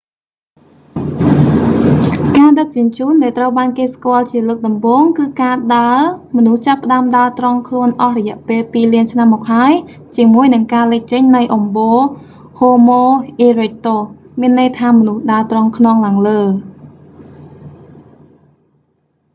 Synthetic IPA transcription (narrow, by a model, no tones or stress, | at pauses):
kaːɗək̚t͡ɕʊ̆ənt͡ɕuːnɗaɛlt̪rəwɓaːnkeːskŏəlt͡ɕiələːk̚ɗɑmɓoːŋkɨːkaːɗaəmɔnuht͡ɕapːə̆ɗaəmɗaət̪rɑŋkʰluənʔɑhrɔjɛ̆əʔpeːlpiːliənt͡ɕʰnamːɔːk̚haəj | t͡ɕiəmuəjnɨŋkaːləc̚t͡ɕəɲnɨjʔɑmɓoː | hoːmoːʔiːrec̚t̪oː | miənːəjt̪ʰaːmɔnuhɗaət̪rɑŋkʰnɑŋlaəŋləː